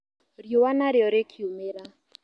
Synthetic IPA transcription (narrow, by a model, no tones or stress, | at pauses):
ɾjowanaɾjɔɾekʰiumeɾa